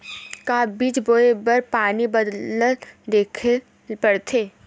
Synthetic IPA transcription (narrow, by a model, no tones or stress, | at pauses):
kaːbiːt͡ʃboːebəɾpaːnibɐd̪ləld̪eːkʰ | pɐɽt̪ʰeː